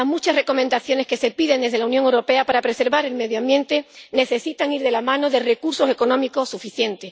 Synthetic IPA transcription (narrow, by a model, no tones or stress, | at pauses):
mut͡ʃasre̞ko̞mend̪aθjo̞ne̞ske̞se̞piðe̞nd̪ezðe̞launjoŋewɾo̞pe̞apaɾapɾe̞se̞ɾβaɾe̞lme̞ðjoambjẽ̞nt̪e̞ne̞θe̞sit̪aŋiɾðe̞lamãno̞ðe̞re̞kuɾso̞se̞ko̞nõ̞miko̞sːufiθje̞nt̪e̞